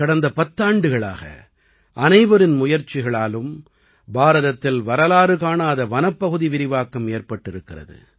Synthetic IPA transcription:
kɐɽɐnd̪ɐpɐt̪ːaːɳɖɯɣɐɭa̰ːɣɐ̰ | ʔɐnɐɪʋɐɾɪnmʊjɐɾt͡ʃɪɣɐɭaːlɯm | baːɾɐðɐt̪ːɪlʋɐɾɐlaːɾɯkaːnaːðɐʋɐnɐpːɐɣɯðiʋɪɾɪʋaːkɐmeːrpɐʈːɪɾɯkːɪrɐ̰ðɯ̰

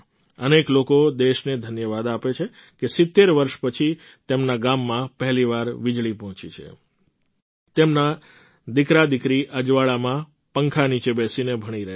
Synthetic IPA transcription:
əneklokod̪eʃned̪ʱənjəʋad̪apet͡ʃʰekesɪt̪ːeɾʋəɾʃpət͡ʃʰi | t̪emnaɡamːãpəɦliʋaɾʋɪd͡ʒɭipɔɦɔ̃t͡ʃḭt͡ʃʰḛ | t̪emna | d̪ɪkɾad̪ɪkɾiʔəd͡ʒʋaɭamã | pəŋkʰanit͡ʃebɛsinebʱəɽ̃iɾəɦe

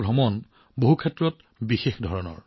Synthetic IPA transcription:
bʱɔmɔn | boɦukʰɛtːɹɔt | bixexdʱɔɹɔnɔ̰ɹ

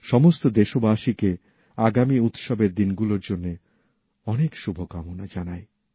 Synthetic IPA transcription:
ʃɔmost̪od̪eʃobaʃike | aɡamiut̪ʃɔbeɾd̪inɡuloɾd͡ʑonːe | ɔnekʃubʱokamonad͡ʑanae

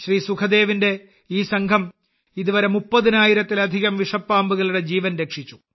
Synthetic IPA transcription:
ɕriːsukʰɐd̪e̞ːʋinde̞ | iːsɐŋɡʰʱɐm | iðuʋɐɾemupːɐðinaːjiɾɐt̪ːilɐd̪ʱiɣɐmʋiʂɐpːaːmbuɣɐɭuɽe̞d͡ʑiːʋɐnɾekʂit͡ɕːu

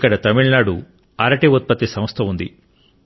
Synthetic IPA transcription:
kːɐɽɐt̪ɐmiɭnaːɽu | ɐɾɐʈeut̪̚pɐt̪ːisɐmɐst̪ʰɐund̪ḭ

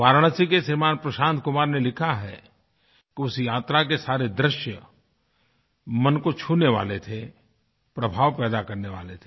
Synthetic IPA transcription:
ʋaːɾɽ̃əsikesɪɾmaːnpɾɐʃãːnt̪̚kʊmaːɾnelɪkʰaɦɛ | kiʊsjaːt̪ɾak̬esaːɾed̪ɾɪʃjə | mɐnkot͡ʃʰuːneʋa̰ːlet̪ʰe | pɾɐbʱaːʋpɛːd̪akɐɾneʋa̰ːlet̪ʰe

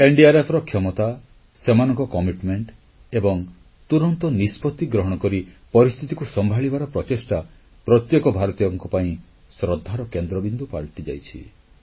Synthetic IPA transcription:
eɳɖiaɾepʰɾɔkʰjɔmɔt̪a | semanɔŋkɔkɔmiʈmeɳʈ | ebɔŋ | t̪uɾɔnt̪ɔnispɔt̪ːiɡɾɔɦɔɽ̃ɔkɔɾipɔɾist̪ʰit̪ikusɔmbʱaɭibaɾɔpɾɔt͡ʃesʈa | pɾɔt̪jekɔbʱaɾɔt̪ijɔŋkɔpaĩ | sɾɔd̪ʱːaɾɔkend̪ɾɔbind̪upa̰ɭʈid͡ʒa̰jt͡ʃʰḭ

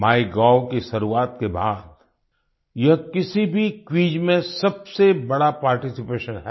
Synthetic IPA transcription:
maːiɡaːʊkiʃɐɾuaːt̪̚kebaːd̪ | jɐɦkɪsibʱikwiːd͡ʒmẽsɐbsebɐɽapaːɾʈɪsɪpeːʃənɦɛː

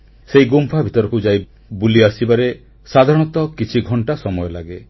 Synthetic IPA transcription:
seiɡumpʰabʱit̪ɔɾɔkud͡ʒaj | buliasibaɾe | sad̪ʱaɾɔ̃ɽ̃ɔt̪ɔkit͡ʃʰiɡʱɔɳʈasɔmɔjɔlaɡe

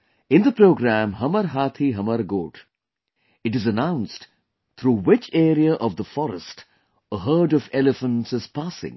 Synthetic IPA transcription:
ɪ̃nd̪əpɾoːɡɾæ̃mɦʌməɾɦaːt̪ʰiɦʌməɾɡoːʈ | ɪʈɨzənãʊ̃nsʈ | t̪ʰɾuːwɪt͡ʃeːɾiəʔɔʋd̪əfɔɾəsʈ | əɦəːɖɔʋɛlɪfə̃nʈsɪz̥paːsɪ̰̃ŋ

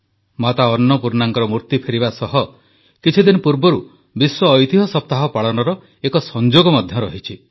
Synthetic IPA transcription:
mat̪aɔnːɔpuɾnaŋkɔɾɔmuɾt̪ipʰeɾibasɔɦɔ | kit͡ʃʰid̪inɔpuɾbɔɾu | biswɔːjt̪iɦɔsɔp̚t̪aɦɔpaɭɔnɔɾɔ | ekɔsɔnd͡ʒoɡɔmɔd̪ʱjɔɾɔɦit͡ʃʰi

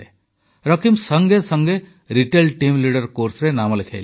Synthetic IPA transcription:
e | ɾʌkimsʌŋɡesʌŋɡe | ɾiʈelʈimliɽɔɾkoɾsɾenamɔlek̪ʰḛjl

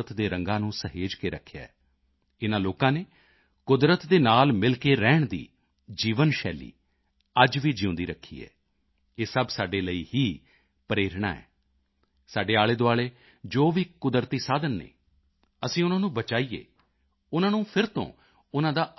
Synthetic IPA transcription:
ət̪d̪eːɾəŋɡãːnũːsəɦeːd͡ʒkeːɾəkʰːja̰ːɛː | ɪnãːloːkãːneː | kʊd̪ɾət̪d̪eːnaːlmɪlkeːɾɛːɳ̃d̪ḭː | d͡ʒiːʋənʃɛːlḭː | əd͡ʒʋiːd͡ʒɪʊ̃nd̪iːɾəkʰːḭːɛ̰ː | eːsəbsaːɖeːləiːhiː | pəɾeːɾɳa̰ːɛ̰ː | saːɖeːaːɭeːd̪oaːɭeː | d͡ʒoːʋiːkʊd̪ɾt̪iːsaːd̪ənːḛː | əsĩːʊnãːnũːbət͡ʃaːiːḛː | ʊnãːnũːpʰɪɾt̪õ̰ː | ʊnãːd̪aː

